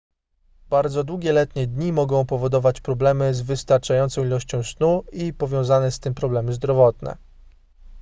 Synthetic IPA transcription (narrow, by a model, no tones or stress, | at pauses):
b̥aɾd̪zɔd̪wuɡʲjɛlɛt̪ɲɛd̪ɲimɔɡɔ̃w̃pɔvɔd̪ɔvat͡ɕpɾɔblɛmɘzvɘst̪aɾt͡ʂajɔnt̪sɔ̃w̃ilɔɕt͡ɕɔ̃w̃snuipɔvʲjɔ̃w̃zanɛst̪ɘmpɾɔblɛmɘzd̪ɾɔvɔt̪nɛ̰